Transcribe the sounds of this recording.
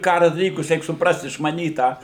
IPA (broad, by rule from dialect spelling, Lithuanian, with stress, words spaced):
ˈkɑːrʊ dɐˈlʲiːkʊs ˈrʲɛɪk sʊpˈrɐst ɪʃmɐˈnʲiːt ˈtɑː